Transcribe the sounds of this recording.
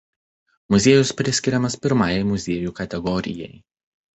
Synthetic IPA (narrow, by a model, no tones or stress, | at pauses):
mʊzʲeːjʊspʲɾʲɪsʲkʲɪɾʲɛmɐspʲɪɾmɑːjɛɪmʊzʲeːjuːkɐt̪ʲɛɡɔɾʲɪ̰jɛj